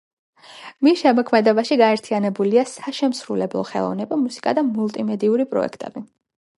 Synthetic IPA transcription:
misʃɛmɔkʰmɛd̪ɛbaʃiɡaɛɾt̪ʰianɛbuliasaʃɛmsɾulɛblˠɔ̰χɛ̰lˠɔ̰vnɛbamusi̥kʼad̪amulˠt̪ʼimɛd̪iuɾipʼɾɔ̰ɛ̰kʰt̪ʼɛ̰bi

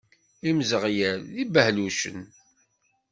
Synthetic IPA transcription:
imzəʁjælibəhluʃə̰n

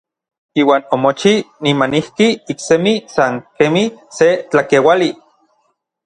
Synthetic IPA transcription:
iːwaːnomot͡ʃinimanihkiiksemisaŋkemiset͡ɬakewali

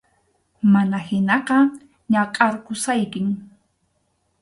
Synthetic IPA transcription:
manahɪnɑqɑ | ɲɑqʼɑɾkʊsajkɪŋ

